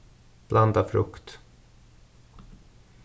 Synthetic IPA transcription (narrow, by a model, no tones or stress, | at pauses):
b̥land̪afɾɵ̰kt̪